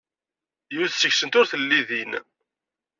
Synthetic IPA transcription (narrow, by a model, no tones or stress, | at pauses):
juðsəçsənt̪ʊɾθəlːiðin